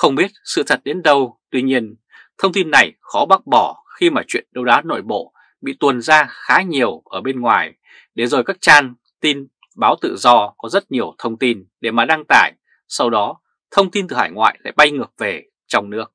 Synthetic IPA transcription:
xə˧wŋ͡mɓi˦˥ət̚sɨ̰˧˨t̪ʰə˨˩t̚ɗe˨˦nɗə˧wt̪wi˧ɲi˧ən | t̪ʰə˧wŋ͡mt̪i˧nːa˨˩jxɔ˨˦ɓa˦˥t̚ɓɔ˧˩xi˧maː˨˩t͡ɕwḭ˧˨ənɗə˧wɗaː˨˦no̰˧˨jɓo̰˧˨ | ɓḭ˧˨t̪wnzaː˧xaː˨˦ɲi˨˩əwʔəː˧˩ɓe˧nŋwaː˨˩j | ɗe˧˩zo˨˩jkaː˦˥k̚t͡ɕaː˧n | t̪i˧n | ɓaː˨˦wt̪ɨ̰˧˨zɔ˧kɔ˨˦zə˦˥t̚ɲi˨˩əwt̪ʰə˧wŋ͡mt̪i˧nɗe˧˩maː˨˩ɗa˧ŋt̪aː˧˩j | sa˧wɗɔ˨˦ | t̪ʰə˧wŋ͡mt̪i˧nt̪ɨ˨˩haː˧˩jŋwa̰ː˧˨jla̰ː˧˨jɓa˧jŋəː˨˩p̚ve˨˩ | t͡ɕɔ˧wŋ͡mnɨ˦˥ək̚

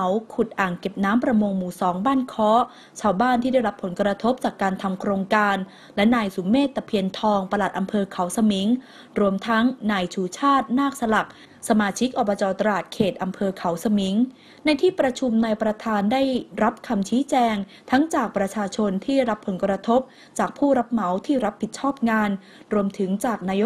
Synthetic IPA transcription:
wkʰu˨˩t̪̚ʔaː˨˩ŋke˨˩p̚naː˦˥mpɾa˧moː˧ŋmuː˨˩sɔː˩˦ŋbaː˥˩nkʰɔː˦˥ | t͡ɕʰaː˧wbaː˥˩nt̪ʰiː˥˩da˥˩jɾa˦˥pʰːo˩˦nkɾa˧t̪ʰo˦˥p̚t͡ɕaː˨˩kːaː˧nt̪ʰa˧mkʰɾoː˧ŋkaː˧n | lɛ˦˥naː˧jsu˩˦mːeː˥˩t̪ːa˧pʰi˧ənt̪ʰɔː˧ŋpa˧la˨˩t̪̚ʔa˧mpʰɤː˧kʰa˩˦wsa˧mi˩˦ŋ | ɾu˧əmt̪ʰa˦˥ŋnaː˧jt͡ɕʰuː˧˩t͡ɕʰaː˥˩t̪̚naː˥˩k̚sa˧la˨˩k̚ | sa˧maː˧t͡ɕʰi˦˥k̚ʔɔ˨˩baː˧t͡ɕɔː˧t̪ɾa˧laː˨˩t̪̚kʰeː˨˩t̪̚ʔa˧mpʰɤː˧kʰa˩˦wsa˧mi˩˦ŋ | na˧jt̪ʰiː˥˩pɾa˧t͡ɕʰu˧mnaː˧jpɾa˧t̪ʰaː˧ndaː˥˩jɾa˦˥p̚kʰa˧mt͡ɕʰiː˦˥t͡ɕɛː˧ŋ | t̪ʰa˦˥ŋt͡ɕaː˨˩k̚pɾa˧t͡ɕʰaː˧t͡ɕʰo˧nt̪ʰiː˥˩ɾa˦˥pʰːo˩˦nkɾa˧t̪ʰo˦˥p̚ | t͡ɕaː˨˩k̚pʰuː˥˩ɾa˦˥p̚ma˩˦wt̪ʰiː˥˩ɾa˦˥pʰːi˨˩t͡ɕʰɔː˥˩p̚ŋaː˧n | ɾu˧əmt̪ʰɯ˩˦ŋt͡ɕaː˨˩k̚naː˧jo˦˥

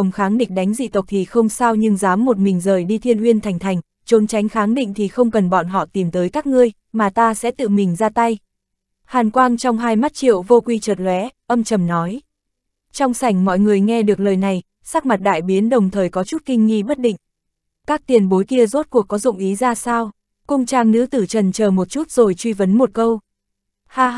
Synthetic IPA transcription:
ə˨˩wŋ͡mxaː˨˦ŋɗï˨˩k̟̚ɗa˨˦jŋ̟zḭ˧˨t̪ə˨˩wk͡p̚t̪ʰi˨˩xə˧wŋ͡msaː˧wɲɨ˧ŋzaː˨˦mːo˨˩t̚mï˨˩ŋ̟zəː˨˩jɗi˧t̪ʰi˧ənʔwi˧ənt̪ʰa˨˩jŋ̟t̪ʰa˨˩jŋ̟ | t͡ɕo˨˦nt͡ɕa˨˦jŋ̟xaː˨˦ŋɗḭ˧˨ŋ̟t̪ʰi˨˩xə˧wŋ͡mkə˨˩nɓɔ̰˧˨nɦɔ̰˧˨t̪i˨˩mt̪əː˨˦jkaː˦˥k̚ŋɨ˧əj | maː˨˩t̪aː˧sɛ̰˧˥t̪ɨ̰˧˨mï˨˩ŋ̟zaː˧t̪a˧j | haː˨˩nkwaː˧nt͡ɕɔ˧wŋ͡mɦaː˧jma˦˥t̚t͡ɕḭ˧˨əwvo˧kwi˧t͡ɕəː˨˩t̚lwɛ˨˦ʔə˧mt͡ɕə˨˩mnɔ˨˦j | t͡ɕɔ˧wŋ͡msa˨˩jŋ̟mɔ̰˧˨jŋɨ˨˩əjŋɛ˧ɗɨ˨˩ək̚ləː˨˩jna˨˩j | saː˦˥k̚ma˨˩t̚ɗa̰ː˧˨jɓi˨˦ənɗə˨˩wŋ͡mt̪ʰəː˨˩jkɔ˨˦t͡ɕu˦˥t̚kï˧ŋ̟ŋḭ˧ɓə˦˥t̚ɗḭ˧˨ŋ̟ | kaː˦˥k̚t̪i˨˩ənɓo˨˦jki˧əzo˦˥t̚ku˨˩əkːɔ˨˦zʊ̰˧˨ŋ͡mʔi˨˦zaː˧saː˧w | kʊ˧ŋ͡mt͡ɕaː˧ŋnɨ̰˧˥t̪ɨ˧˩t͡ɕə˨˩nt͡ɕəː˨˩mo˨˩t̚t͡ɕu˦˥t̚z̥o˨˩jt͡ɕwi˧və˨˦nmo˨˩t̚kə˧w | haː˧

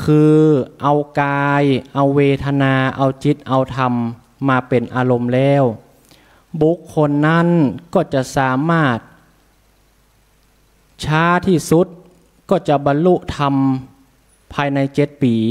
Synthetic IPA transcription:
kʰɯː˧ʔa˧wkaː˧jʔa˧wweː˧t̪ʰa˧naː˧ʔa˧wt͡ɕi˦t̪̚ʔa˧wt̪ʰa˧mː | aː˧pe˨˩nʔaː˧lo˧mlɛː˧˥˩w | bu˧˦˥kʰːo˧nːa˦˥˨nkɔː˥˩t͡ɕa˧ʔsaː˩˦maː˥˩t̪̚ | t͡ɕʰaː˦˥t̪ʰiː˥˩su˧˦˥t̪̚ | kɔː˥˩t͡ɕa˧˩ʔba˧nlu˧˥ʔt̪ʰa˧m | pʰaː˧jna˧jt͡ɕe˧˦˥t̪̚piː˨˩

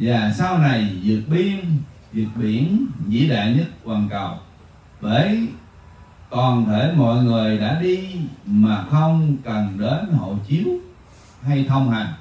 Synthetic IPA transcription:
zaː˨˩saː˧wna˨˩jzɨ˨˩t̚ɓi˧ən | zɨ˨˩k̚ɓi˧˩ənzḭ˧˥ɗa̰ː˧˨jɲə˦˥t̚kwaː˨˩nkə˨˩w | ɓe˧˩ | kɔ˨˩nt̪ʰe˧˩mɔ̰˧˨jŋɨ˨˩əjɗa̰ː˧˥ɗi˧maː˨˩xə˧wŋ͡mkə˨˩nɗe˨˦nho̰˧˨t͡ɕi˨˦əw | ha˧jt̪ʰə˧wŋ͡mha˨˩jŋ̟

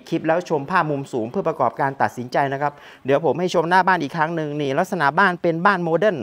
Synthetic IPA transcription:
kʰi˦˥p̚lɛː˦˥wt͡ɕʰo˧mpʰaː˥˩p̚mu˧msuː˩˦ŋpʰɯ˥˩pɾa˧kɔː˨˩p̚kaː˧nt̪a˨˩t̪̚si˩˦nt͡ɕa˧jna˦˥kʰa˦˥p̚ | dɯ˩˦əwpʰo˩˦mha˥˩jt͡ɕʰo˧mnaː˥˩baː˥˩nʔiː˨˩kʰɾa˦˥ŋnɯ˧ŋniː˧˩la˦˥t̚sa˧na̰˩˦baː˥˩npe˧nbaː˥˩nmoː˧de˥˩n

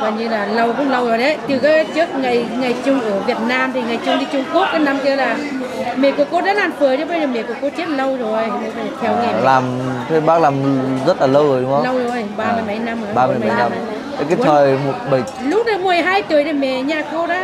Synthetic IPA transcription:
vaː˨˩nɲɨ˧laː˨˩lə˧wkʊ̰˧˥ŋ͡mlə˧wzo˨˩jɗə˨˦jt̪ɨ˨˩kaː˨˦t͡ɕɨ˦˥ək̚ŋa˨˩jŋa˨˩jt͡ɕʊ˧ŋ͡mʔɨː˧˩əvi˨˩ət̚naː˧mt̪ʰi˨˩ŋa˨˩jt͡ɕʊ˧ŋ͡mɗi˧t͡ɕʊ˧ŋ͡mku˦˥ək̚ːaː˨˦jna˧mki˧əlaː˨˩ | mɛ̰˧˨ku˧˩əko˧ɗa̰ː˧˥laː˨˩mfəː˨˩jɗə˨˦ɓə˧jzəː˨˩mɛ˧˨ku˧˩əko˧˦t͡ɕi˦˥t̚lə˧wzo˨˩jə˧˩jɓə˧zəː˨˩t̪ʰɛ˧wŋɛ˧˩laː˨˩mt̪ʰe˧˦ɓaː˦˥k̚laː˨˩mzə˦˥t̚laː˨˩lə˧wzo˨˩jɗʊ˦ŋ͡mə˧˦lə˧wzo˨˩jɓaː˧mɨ˧˩˨jɓə˧˩jna˧mː˨aː˧mː˨˧˨ja˧a˨˧˦ | kaː˨˦˧t̪ʰəː˨˩jmo˨˩t̚ɓə˧˩j | lʊ˦˥k͡p̚ɗə˧˩mɨ˨˩əjɦaː˧jt̪əj̪ʰə˧˩mɛ̰˧˨ɲaː˨˩ko˧ɗa̰ː˧˥

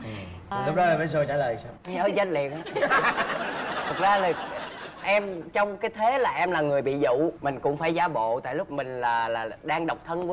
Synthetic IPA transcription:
lʊ˦˥ɗɔ˨˦a˨˩vaː˧˨˦js̬o˧jt͡ɕaː˧˩ləː˨˩jsaː˧wŋ͡mɲəː˨˦zə˧nlḭ˧˨ənʔaː˨˦ | t̪ʰə˨˩k̚zaː˧la˨˩ʔɛ˧mt͡ɕɔ˧wŋ͡mkaː˨˦jt̪ʰe˨˦laː˨˩ʔɛ˧mlaː˨˩ŋɨ˨˩əjɓḭ˧˨zṵ˧˨mï˨˩ŋ̟kʊ̰˧˥ŋ͡mfaː˧˩jzaː˨˦ɓo̰˧˨t̪a̰ː˧˨jlʊ˦˥k͡p̚mï˨˩ŋ̟laː˨˩laː˨˩ɗaː˧ŋɗa˨˩wk͡p̚t̪ʰə˧nk

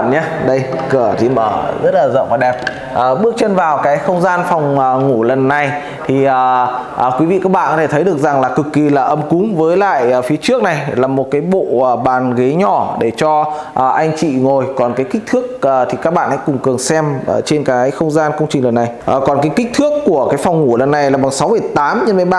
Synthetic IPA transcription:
ɲaː˧ɗə˧jkə˧˩ət̪ʰi˨˩məː˧˩zə˦˥t̚laː˨˩zə̰˧˨wŋ͡mvaː˨˩ɗɛ˨˩p̚ | ʔəː˨˩ɓɨ˦˥ək̚t͡ɕə˧nvaː˨˩wkaː˨˦jxə˧wŋ͡mzaː˧nfɔ˨˩wŋ͡mːŋu˧˩lə˨˩nːa˨˩j | t̪ʰi˨˩ʔəː˨˩ʔkwi˨˦vḭ˧˨kaː˦˥k̚ɓa̰ː˧˨kɔ˨˦t̪e˧˩t̪ʰə˨˦jɗɨ˨˩ək̚za˨˩ŋlaː˨˩kɨ˨˩kːi˨˩laː˨˩ʔə˧mkʊ˨˦ŋ͡mvəː˨˦jla̰ː˧˨jfi˨˦t͡ɕɨ˦˥ək̚na˨˩jlaː˨˩mo˨˩t̚kaː˨˦jɓo̰˧˨əː˨˩ɓaː˨˩nɣe˨˦ɲɔ˧˩ɗe˧˩t͡ɕɔ˧ | ʔʔa˧jŋ̟t͡ɕḭ˧˨ŋo˨˩jkɔ˨˩nkaː˨˦jkï˦˥k̟̚t̪ʰɨ˦˥ək̚ːt̪ʰi˨˩kaː˦˥k̚ɓa̰ː˧˨nha̰˧˥kʊ˨˩ŋ͡mkɨ˨˩əŋsɛ˧m̰ː˨˩t͡ɕe˧nkaː˨˦jxə˧wŋ͡mzaː˧nkə˧wŋ͡mt͡ɕï˨˩ŋ̟lə˨˩nːa˨˩jʔəː˨˩kɔ˨˩nkaː˨˦jkï˦˥k̟̚t̪ʰɨ˦˥əkːu˧˩əkaː˨˦jfɔ˨˩wŋ͡mŋu˧˩lə˨˩nːa˨˩jlaː˨˩ɓa˨˩ŋsa˨˦wmɨ˨˩ə˨˩jt̪aː˨˦mɲə˧mə˨˦jɓa˧˨

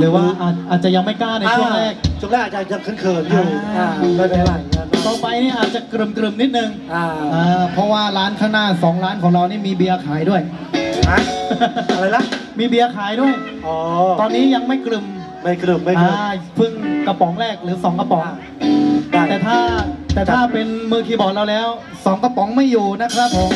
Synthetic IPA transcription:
ɾɯː˩˦waː˥˩ʔaː˨˩t̪̚ʔaː˨˩t̪̚t͡ɕa˨˩ja˧ŋma˥˩jkaː˥˩na˧t͡ɕu˥˩əŋɾɛː˥˩k̚t͡ɕo˨˩lːʔaː˨˩t͡ɕa˧˩t͡ɕa˧˩kʰɯ˧˥˩nkʰɯː˧˩nu˧a˧˩a˥˧˩a˧aː˥˩˧t̪ɔː˧˩pa˧jniː˥˩ʔaː˨˩t̪̚t͡ɕa˨˩kɾɯ˨˩mkɾɯ˨˩mni˦˥t̪̚nɯ˧ŋʔa˧˩ʔaː˧pʰɔ˦˥waː˥˩ɾaː˦˥nkʰaː˥˩ŋnaː˥˩sɔː˩˦ŋɾaː˦˥nkʰɔː˩˦ŋɾaː˧wniː˥˩miː˧bi˧ɐ˧kʰaː˩˦jdu˥˩əj | a˦˧˥a˧ɾa˧jla˦˥miː˧bi˧ɐkʰaː˨˩˦jdu˥˩əj | ʔɔː˨˧ɔː˧nːiː˦˥ja˧ŋma˥˩jkɾɯ˨˩m | ma˥˩jkɾɯ˨˩mːa˥˩ja˧˩pʰɯ˥˩ŋka˧˩pɔ˩˦ŋɾɛː˥˩k̚ɾɯː˩˦sɔː˩˦ŋka˧pɔ˨˩˦ŋ˧ | aː˨˩t̪ɛː˨˩t̪ʰaː˥˩t̪ɛː˨˩t̪ʰaː˥˩pe˧nmɯː˧˩t̪ʰiː˧bɔː˨˩t̪̚ɾa˧wlɛː˦˥w | sɔː˩˦ŋka˧pɔ˩˦ŋma˥˩jːuː˨˩na˦˥kʰɾa˦˥pʰːo˨˦m

